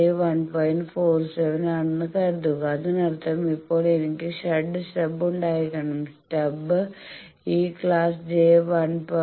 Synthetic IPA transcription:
eʋɐnpojɳʈpʰoːɾseʋɐnɐnːɨkɐɾd̪uɣɐɐðunɐɾɐt̪ːɐɾɐmipːo̞ːɭenikːɨʂɐɖːɨsʈɐbːuɳɖaːjikːɐɳɐmsʈɐb | iːkɭaːsd͡ʒeːʋɐnp

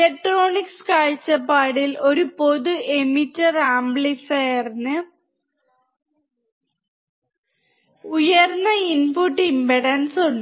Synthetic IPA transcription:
ilek̚ʈroːɳikskaːɻt͡ɕːɐpːaːɽilo̞ɾupo̞ðuʔemitːɐraːmbɭisɐjɐrnɨ | ujɐrnɐinpuʈːimbɐɽɐnsoɳːɨ

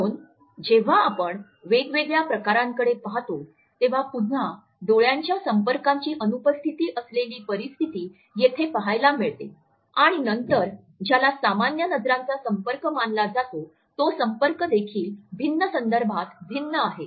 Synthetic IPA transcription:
uːn | d͡ʑeʋ̤aːpəɳ | ʋeɡʋeɡɭjapɾəkaɾaŋkəɽepaɦt̪o | t̪eʋ̤apunɳa | d̪oɭjaɲt͡ɕjasəmpəɾkaɲt͡ɕiːʔənupəst̪ʰit̪iːʔəsleliːpəɾist̪ʰit̪iː | jet̪ʰepəɦajlamiɭt̪e | aɽ̃inənt̪əɾ | d͡ʑjalasamanjənəd͡zɾant͡sasəmpəɾkəmanlad͡zat̪o | t̪osəmpəɾkəd̪ekʰiːlbʱinːəsənd̪əɾbʱat̪bʱinːəaɦe

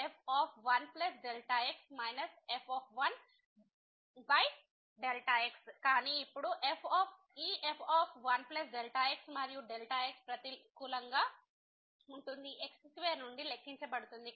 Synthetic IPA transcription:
epʰɔːpʰʋɐnplɐs̬ɖelʈaeksmɐjnɐsepʰɔːpʰʋɐn | bɐj | ɖelʈɐekskaːniːipːuɽuʔepʰɔːpʰ | iːepʰɔːpʰʋɐnplɐs̬ɖelʈaeksmɐɾijuɖelʈaekspɾɐt̪ikulɐŋɡaː | uɳʈund̪iʔekssʋeːɾnuɳɖilekʰːiɲt͡ʃɐpɐɽut̪und̪i

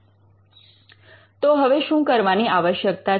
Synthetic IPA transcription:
t̪oɦəʋeʃũkəɾʋaniaʋəʃjəkt̪a

